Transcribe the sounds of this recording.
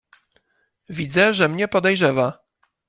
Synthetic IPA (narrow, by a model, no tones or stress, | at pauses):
vʲid̪zɛʐɛmɲɛpɔd̪ɛjʐɛva